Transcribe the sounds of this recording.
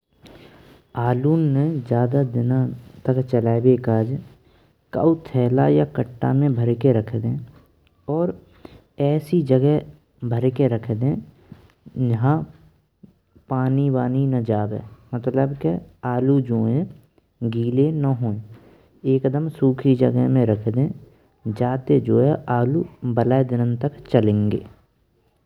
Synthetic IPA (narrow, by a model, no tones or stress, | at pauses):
aːluːnːẽd͡ʒjaːd̪ad̪ɪnãt̪əkt͡ʃəlaːebeːkaːd͡ʒ | ka̰ut̪ʰɛːlajakəʈːa̰mẽbʱəɾkeɾəkʰd̪ẽː | ɔːɾ | ɛːsid͡ʒəɡɛɦ | bʱəɾkeɾəkʰd̪ẽ | d͡ʒəɦã | paːniwaːninəd͡ʒaːbɦɛ̰ːmət̪ləbkeaːlud͡ʒoːẽ | ɡiːlenəɦoːẽ | eːkd̪əmsuːkʰid͡ʒəɡəɦmẽɾəkʰd̪ẽː | d͡ʒaːt̪ed͡ʒoːɦɛʔaːlubəlaːed̪ɪnənt̪əkt͡ʃəlẽːŋɡḛː